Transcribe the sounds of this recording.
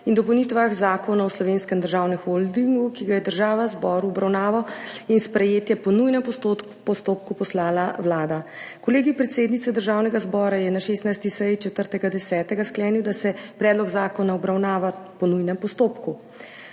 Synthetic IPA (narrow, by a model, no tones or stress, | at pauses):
ind̪ɔpɔwnit̪ʋaxzaːkonawslɔʋenskɛmd̪əɾʒawnɛxold̪iŋɡukiɡajɛd̪əɾʒaːʋazbɔɾuɔbɾawnaːʋawinspɾɛjeːt̪jɛpɔnujnɛmp | pɔst̪oːpkupɔslaːlawlaːd̪akɔleːɡipɾɛt̪seːd̪nit̪sɛd̪əɾʒaːwnɛɡazbɔːɾajɛnaʃeːst̪najst̪isəjt͡ʃɛt̪əɾt̪ɛɡad̪ɛsɛːt̪ɛɡasklɛːniwd̪asɛpɾɛːd̪lɔɡzaːkɔnaɔbɾawnaːʋapɔnujnɛmpɔst̪oːpku